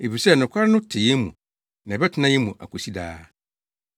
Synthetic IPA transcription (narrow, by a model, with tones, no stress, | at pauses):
e˨fi˨sɛ˦nʊ̃˨kʷʰa˦ɾɪ˦nʊ̃˦tʰɪ˨jɛ˦mṵ̃˨ | nã˨bɛ˦tʰɪ˦nã˦jɛ˦mũ˨ʔa̰˨kʷʰo˨si˦da̰ː˦